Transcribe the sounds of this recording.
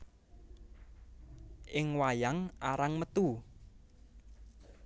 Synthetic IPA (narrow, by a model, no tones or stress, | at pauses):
ʔɪŋwajaŋʔaɾaŋmət̪u